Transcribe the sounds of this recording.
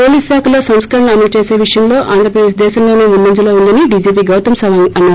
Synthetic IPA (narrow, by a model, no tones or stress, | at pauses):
oːliːsaːkʰɐloːsɐmskɐɾɐɳɐɐmɐt͡ʃeːseːʋiʂɐjɐmlo̞ːʔaːnd̪ɾɐpɾɐd̪eːʃd̪ɛːʃɐmloneːmunːɐɲd͡ʒɐloːund̪ɐniɖiːd͡ʒiːp̬iːɡɐwt̪ɐmsɐʋaŋɐnːaː